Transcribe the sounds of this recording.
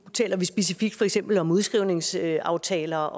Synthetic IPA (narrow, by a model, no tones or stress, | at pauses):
t͡sʰɛ̰ːlɐʋisb̥e̝sifiɡ̥̚d̥fɒ̽eɡ̥sem̰b̥l̩ɒ̽muðˠsɡ̥ʁiʊne̝ŋsøɑ̈ʊt͡sʰɛ̰ːlɐ